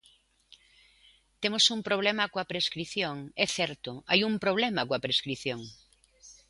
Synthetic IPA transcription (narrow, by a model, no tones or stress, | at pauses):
t̪emosumpɾoβ̞lɛmakoapɾeskɾiθjoŋɛθɛɾt̪oajumpɾoβ̞lɛmakoapɾeskɾiθjoŋ